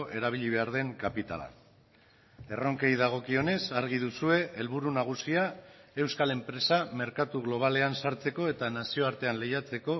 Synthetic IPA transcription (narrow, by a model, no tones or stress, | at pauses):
ʔe̞ɾaβ̞iʎiβ̞e̞aɾð̞e̞ŋkapit̪a̰la̰ | e̞ro̞ŋke̞jðaɣ̞o̞kio̞ne̞saɾɣiðusue̞ʔelβuɾunaɣ̞usiae̞wskale̞mpɾe̞same̞ɾkat̪uɣ̞lo̞β̞ale̞ansaɾt͡se̞ko̞e̞t̪anasio̞aɾt̪e̞anle̞jat͡se̞ko̞